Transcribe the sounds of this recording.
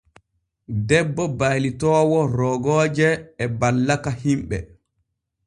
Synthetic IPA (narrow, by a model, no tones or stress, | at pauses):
dɛbːɔbajlitɔːwɔɾɔɡɔːd͡ʒɛːbalːakahimɓɛ̰